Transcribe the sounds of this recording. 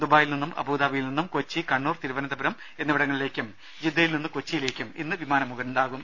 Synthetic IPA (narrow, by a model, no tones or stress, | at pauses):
d̪obaːjilninːumʔɐ̰buːd̪aːʋɐjilninːumkot͡ɕːikɐɳːuːrt̪iɾuʋɐnɐd̪ɐbɐɾɐm | e̞nːiʋɐɽɐŋːɐɭile̞ːkʲːum | d͡ʑid̪ːɐjilninːɨkot͡ɕːijile̞ːkʲːumḭnːɨʋimaːnɐmːuɣɐnuɳɖaːɣum